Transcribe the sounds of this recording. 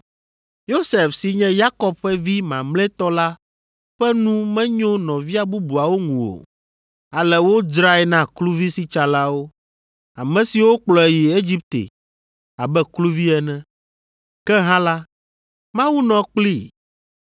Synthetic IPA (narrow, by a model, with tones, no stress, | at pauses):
jo˦se˨fsi˨ɲɛ̃˦ja˦kɔ˦b̚ɸɛ˦vi˦mã˨mlɛ̃˦t̪ɔ˦la˦ | ɸɛ˦nũ˦mɛ̃˦ɲõ˦nɔ̃˨vi˦a˨bu˦bu˨a˨wo˦ŋũ˨o̰˨ | a˨lɛ˨wo˦d͡ʒɾa˦ɛ˨nã˦klu˦vi˦si˦t͡ʃa˨la˦wo˦ | a˨mɛ̃˨si˨wo˦k͡plɔ˨e˨ji˨e˦d͡ʑi˦p̚t̪ḛ˨ | a˨bɛ˦klu˦vi˦ɛ˨nɛ̃˦ | kɛ˦ɦã˦la˦ | mã˦wu˦nɔ̃˨k͡pli˦